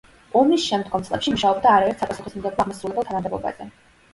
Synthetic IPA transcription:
ɔmisʃɛmd̪ɡɔmt̪sʼlˠɛ̰pʃimuʃaɔbd̪aːɾaɛɾt̪sapʼasuχismd̪ɛɔaʁmasɾulɛbɛlˠt̪ʰanamd̪ɛblɔ̰ba̰zɛ

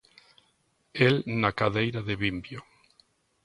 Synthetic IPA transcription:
elnakaðejɾaðeβimbjo

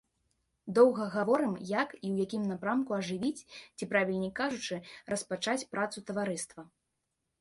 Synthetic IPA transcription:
d̪ɔwɣɐɣavɔɾɨmjakiwjakʲimnapɾamkuɐʐɨvʲit͡sʲt͡sʲipɾavʲilʲnʲikaʐut͡ʂɨrɐspat͡ʂat͡sʲpɾʔat̪sut̪ɐvaɾɨst̪vɐ

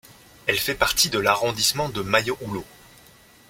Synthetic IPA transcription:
ɛlfɛpaʁt̪id̪əlaʁɔ̃d̪ismɑ̃d̪əmajoʔulo

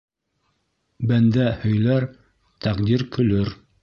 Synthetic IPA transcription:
bænd̪æhɵ̆jlæɾ | t̪æqd̪iɾkɵ̆lɵɾ

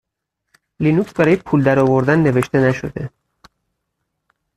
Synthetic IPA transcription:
linuksbæɾɒːjepʰuːld̪æɾɒːvoɾd̪ænːe̞veʃt̪e̞næʃo̞̰d̪e̞

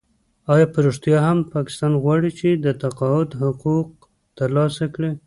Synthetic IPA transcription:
ɑjɑpəɾuʐt̪jɑɦampɑkɪ̥st̪ɑnɣwɑɽit͡ʃed̪ət̪aqɑʊd̪hʊquq̚ | t̪əɾlɑsakɽe

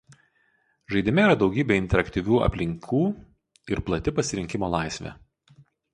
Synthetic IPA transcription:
ʒɐɪd̪ʲɪmʲɛiːɾɐd̪ɒʊɡʲiːbʲeɪnʲt̪ʲɛɾɐkt̪ʲiʋʲuːɐ̰pʲlʲɪŋʲkʰuː | ɪɾplˠɐt̪ʲɪpɐsʲɪɾʲɪŋʲkʲɪmoːlˠɑˑɪsʲʋʲḛː

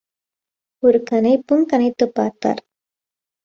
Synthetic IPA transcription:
ɔɾɯkɐnɐɪpːɯmkɐnɐɪt̪ːɯpːaːɾt̪ːa̰ːɾ

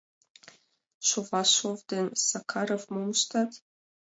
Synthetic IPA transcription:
ʃovɑʃovd̪ensakʰɑɾəvmomʃt̪ɑt̪

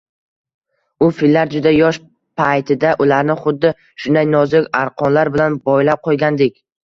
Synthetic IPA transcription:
ʊfilːaɾd͡ʒʊd̪ajɒʃ | pʰajt̪ʰɪd̪aʔʊlaɾnɪχʊd̪ːɪ | ʃʊnd̪ajnɒzɪkʲaɾqʰɒnlaɾbɪlanbɒjlap̚qʰojɡʲand̪ɪkʲ

